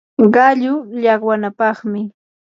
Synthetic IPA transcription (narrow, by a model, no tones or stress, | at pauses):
ɢɑʎʊʎɑɢwanapɑχmɪ